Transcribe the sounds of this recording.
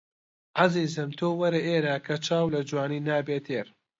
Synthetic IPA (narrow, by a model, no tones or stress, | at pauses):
ʕaziːzɨmt̪ʰoːwɐɾɐʔeːɾaːkʰɐt͡ʃʰaːwlɐd͡ʒwaːniːnaːbeːt̪ʰeːɾ